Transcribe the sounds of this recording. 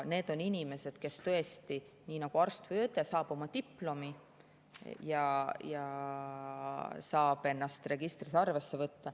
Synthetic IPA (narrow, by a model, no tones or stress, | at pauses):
ne̞ːd̪̥oninʲime̞se̞d̪̥ke̞st̪ɤ̞est̪i | niːnɑɡ̥uɑrst̪vujøt̪ːˑesɑːb̥o̞mɑt̪ipːlo̞mi | jɑjɑ | sɑːb̥e̞nːɑst̪re̞ɡ̥ist̪risɑrve̞sːe̞vɤt̪ːɑ